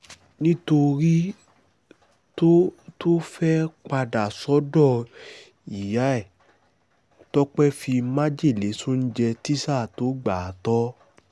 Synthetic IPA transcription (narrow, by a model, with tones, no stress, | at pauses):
nĩ˦to˧ɾi˦ | to˦to˦fɛ˦k͡pa˧da˨sɔ˨˦dɔ˦˨ | i˨ja˨˦ɛ˦˨ | tɔ˦k͡pɛ˦fi˧mã˦d͡ʒe˦˨le˨˦su˦n̩˦d͡ʒɛ˧ti˦sa˦˨to˨˦ɡ͡ba˨tɔ˦